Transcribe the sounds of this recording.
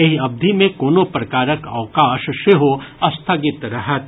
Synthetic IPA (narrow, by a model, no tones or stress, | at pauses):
ɪɦɐb̚d̪ʱimẽkoːnopɾɐkaːɾəkɐ̰ʋkaːʃʃɪɦoɐst̪ʰaɡɪt̪ɾɐɦət̪